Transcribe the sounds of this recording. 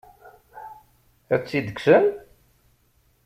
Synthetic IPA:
θæt͡sːid̪əksən

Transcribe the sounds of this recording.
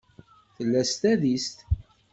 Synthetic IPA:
θəlːæst̪æðist̪

